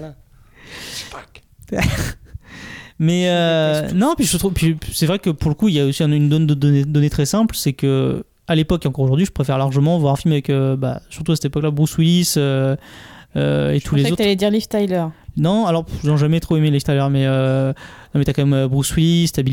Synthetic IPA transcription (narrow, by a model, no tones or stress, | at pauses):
ak | mɛønɔ̃pɥiət̪χupɥisɛvʁɛkəpuʁləkuiljaosiɛ̃ynd̪ɔnd̪əd̪ɔned̪ɔnet̪χɛsɛ̃plsɛkə | alepɔkeɑ̃kɔʁoʒuʁd̪ɥiʒəpχefɛʁlaʁʒəmɑ̃vwaʁɛ̃filmavɛkøba̰syʁt̪uasɛ̥t̪epɔklabʁuswilisø | ø̰et̪ʰulezot̪alɛd̪iʁlift̪ajlœʁnɔ̃alɔʁzɔ̃ʒamɛt̪χoemelift̪ajlœʁmɛønɔ̃mɛt̪yakɑ̃mɛmøbʁuswilist̪abil